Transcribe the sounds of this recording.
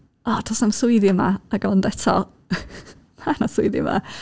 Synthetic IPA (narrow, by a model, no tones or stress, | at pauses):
ɔːtʰɔsamsʊɨðɪmaaɡɔndɛtʰɔ̰ | manasʊɨðɪ̰ma̰